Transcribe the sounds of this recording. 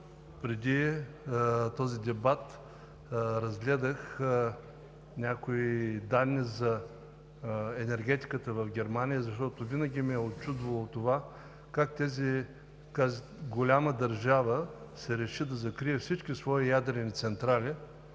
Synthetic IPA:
pɾɛd̪i | t̪ɔzid̪ɛbat̪ | ɾɐzɡlɛd̪əx | nʲakoid̪anːizɐ | ɛnɛɾɡʲɛt̪i̥kət̪əvɐfɡʲɛɾmanʲijəzɐʃt̪ɔt̪ovinəɡʲimiɛot̪t͡ʃud̪vɐlˠot̪ova | kakt̪ɛzi | kaz | ɡolʲaməd̪ɐɾʒavəsɛɾɛʃid̪ɐzɐkɾiɛfsit͡ʃkʲisvɔijad̪ɾɛnit̪sɛnt̪ɾalʲi

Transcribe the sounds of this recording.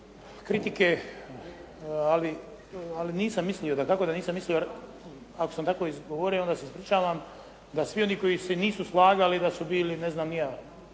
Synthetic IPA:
kɾit̪ike | ali | aliniːsamːislio̞d̪akako̞d̪aniːsamːislijoaɾ | ako̥samt̪ako̞izɡoʋoɾioo̞nd̪aːseispɾit͡ʃaːʋam | d̪asʋio̞niko̞jiseniːsuslaːɡalid̪asubiːlineznaːmnia

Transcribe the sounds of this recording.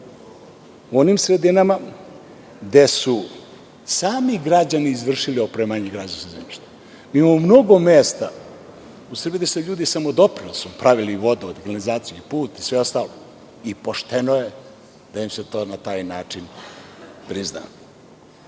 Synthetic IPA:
uo̞nimsɾe̞d̪inama | d̪e̞su | saːmiɡɾad͡ʑaniːzʋr̩ʃilio̞pɾemaɲeɡɾad͡ʑansezemiʃt̪e̥ | miimamomno̞ɡo̞meːst̪a̰ | usr̩bid̪eseʎuːd̪isamod̪o̞pɾilsupɾaʋiliːʋo̞d̪uod̪ɡannizaːt̪sijuipuːt̪isʋeo̞st̪alo | ipo̞ʃt̪enoje̞ | d̪̥ajimset̪o̞ːnat̪aːjnaːt͡ʂin | pɾizna̰ː

